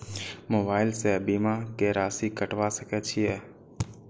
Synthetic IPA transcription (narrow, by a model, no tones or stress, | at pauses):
moːbaːɪlseːbiːmaːkeːɾaːsikəʈʋasəkʰɛːt͡ʃʰiɛː